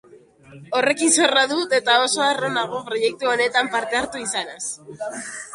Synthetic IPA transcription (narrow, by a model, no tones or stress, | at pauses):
o̞re̞kinso̞raðut̪e̞t̪ao̞soaro̞naɣ̞o̞pɾo̞je̞k̚t̪uo̞ne̞t̪ampaɾt̪e̞aɾt̪uisanas